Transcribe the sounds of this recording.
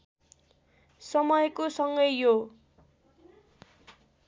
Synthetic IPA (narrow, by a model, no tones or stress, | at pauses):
sʌmʌjkosʌŋɡʌjːo